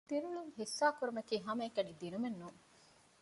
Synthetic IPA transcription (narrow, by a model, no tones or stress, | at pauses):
d̪̥inuluŋhisːaːkuɾumɐkiːɦɐmɐːkɐɖid̪inumenːuŋ